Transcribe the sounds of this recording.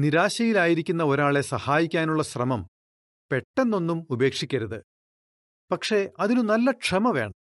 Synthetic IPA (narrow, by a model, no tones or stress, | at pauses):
niɾaːɕɐjilaːjiɾikʲːunːɐoɾaːɭe̞sɐhaːjikʲːaːnuɭːɐɕrɐmɐm | pe̞ʈːe̞nːo̞nːumube̞ːkʂikʲːɐɾɐðɨ | pɐkʂe̞ɐðinunɐlːɐʈʂɐmɐʋe̞̰ːɳɐ